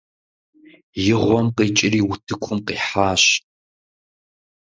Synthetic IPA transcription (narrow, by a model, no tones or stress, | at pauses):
jɪʁʷɔmqiːt͡ʃʼɪɾiːwʊtʰɨkʷʰʊmqiːħaːɕ